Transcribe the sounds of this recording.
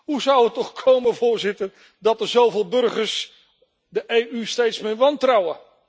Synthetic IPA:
ɦuzʌwətɔχkʰowməvʊːɹzɪtər | dɑtəɹzowvɪːlˠbɵɹχəɹs | dəʔejʔystejtsmɪːɹʋɑntrɑwə

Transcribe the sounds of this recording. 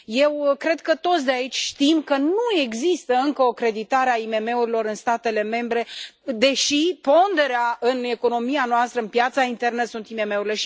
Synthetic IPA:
je̞wkɾe̞d̪̚kət̪o̞t̪s̬ʲd̪eait͡ʃʲʃt̪imkənue̞ɡzist̪əɨŋkəokɾe̞d̪it̪aɾeaime̞me̞uɾilo̞ɾɨnst̪at̪e̞le̞me̞mbɾe̞d̪e̞ʃipo̞nd̪e̞ɾeaɨne̞ko̞no̞mianoast̪ɾəɨnpjat̪saint̪e̞rnəsunt̪ime̞me̞uɾile̞ʃ

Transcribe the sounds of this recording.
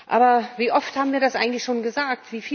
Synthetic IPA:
ʔa̰ːbɐviːʔɔfthaːbm̩viːɐɾasʔaɪɡŋ̩tlɪçʃoːnɡəzaːk̚tv̥iːfiː

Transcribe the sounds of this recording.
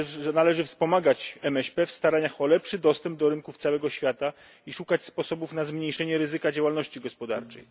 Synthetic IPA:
nalɛʐɘfspɔmaɡat͡ɕɛmɛɕpɛfst̪aɾaɲaxɔlɛpʂɘd̪ɔst̪ɛmb̚d̪ɔɾɘnkuft̪sawɛɡɔɕfʲjat̪a | iʂukat͡ɕspɔsɔbufnazmɲejʂɛɲɛɾɘzɘkad͡ʑawalnɔɕt͡ɕiɡɔspɔd̪aɾt͡ʂɛ̰j

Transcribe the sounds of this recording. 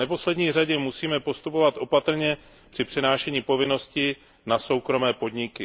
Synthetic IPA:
nɛpo̞slɛdɲiːr̝aɟɛmusiːmɛpo̞st̪upo̞vat̪ʔo̞pat̪ɾ̩ɲɛ | pr̝̥ɪpr̥ɪnaːʃɛɲiːpo̞vɪno̞scɪ | naso̞wkɾo̞mɛːpo̞dɲɪkɪ

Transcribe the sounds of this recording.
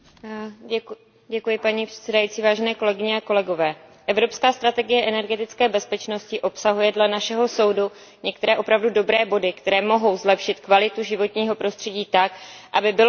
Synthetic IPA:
ɟɛkujɪpaɲiːpr̥ɛ̥t̪sɛdajiːt͡siːvaːʒɛnɛːko̞lɛɡɪɲɛako̞lɛɡo̞vɛː | ʔɛvɾo̞pskaːst̪ɾat̪ɛɡɪjɛʔɛnɛɾɡɛt̪ɪt͡skɛːbɛspɛt͡ʃno̞scɪʔo̞psaɦujɛdlɛnaʃɛɦo̞so̞wdu | ɲɛk̚t̪ɛɾɛːʔo̞pɾavdudo̞bɾɛːbo̞dɪkt̪ɛɾɛːmo̞ɦo̞wzlɛpʃɪt̪kvalɪt̪uʒɪvo̞t̪ɲiːɦo̞pɾo̞st̪r̝̥ɛɟiːt̪akʔabɪbɪlo

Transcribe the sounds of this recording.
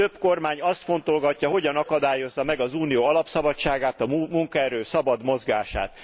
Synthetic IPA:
øbko̞rmaːɲɒst̪fo̞nt̪o̞lɡɒcːɒɦo̞ɟɒnɒkɒd̪aːjo̞zːɒmɛɡɒzuːnijoːɒlɒpsɒbɒt͡ʃaːɡaːt̪ɒmumuŋkɒɛɾøːsɒbɒd̪mo̞zɡaːʃa̰ːt̪

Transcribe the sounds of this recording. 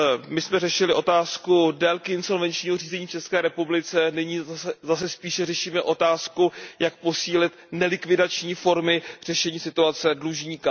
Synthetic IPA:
mɪsmɛrɛʃɪlɪʔo̞t̪aːskudɛlkɪɪnso̞lvɛnt͡ʃɲiːɦor̝iːzɛɲiːft͡ʃɛskɛːɾɛpublɪt͡sɛnɪɲiːzasɛspiːʃɛrɛʃiːmɛʔo̞t̪aːskujak̚po̞siːlɪt̪nɛlɪkvɪdat͡ʃɲiːfo̞ɾmɪr̝̥ɛʃɛɲiːsɪt̪uat͡sɛdluʒɲiːka

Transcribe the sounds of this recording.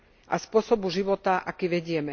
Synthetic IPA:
ʔa̰spʊɔsɔbuʒiʋɔt̪aʔakiʋɛɟɪɛmɛ

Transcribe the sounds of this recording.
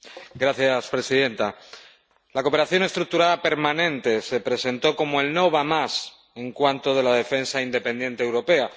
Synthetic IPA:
ɡɾaθjaspɾe̞siðe̞nt̪a | lako̞pe̞ɾaθjo̞ne̞st̪ɾuk̚t̪uɾaðape̞ɾmãnẽ̞nt̪e̞se̞pɾe̞se̞nt̪o̞ko̞moe̞lno̞β̞amas | e̞ŋkwant̪o̞ð̞e̞laðe̞fe̞nsaind̪e̞pend̪je̞nt̪eːwɾo̞pe̞a

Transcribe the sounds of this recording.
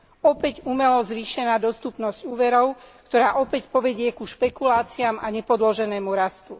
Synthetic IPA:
ɔpɛcumɛlɔzʋiːʃɛnaːd̪ɔst̪upnɔzcuːʋɛɾɔʊkt̪ɔɾaːʔɔpɛcpɔʋɛɟɪɛkuʃpɛkulaːt͡siamaɲɛpɔd̪lɔʒɛnɛːmuɾast̪u

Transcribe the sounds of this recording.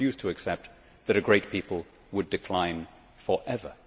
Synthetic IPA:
jʉstʰəːksɛp̚t̪ | ðɨɾɨɡɹeɪt̚pʰipl̩ˠ | wədɨkʰl̥ãɪ̃n | fə˞ʔɛvə̰˞

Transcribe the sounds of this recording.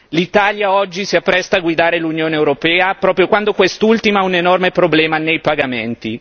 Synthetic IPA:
lit̪aljaɔd͡ʒːisiapːɾɛst̪aːɡwid̪aːɾelunjoːneewɾopɛːapɾɔːpɾjokwand̪okwest̪ult̪imaunenɔrmepɾoblɛːmanejpaɡament̪i

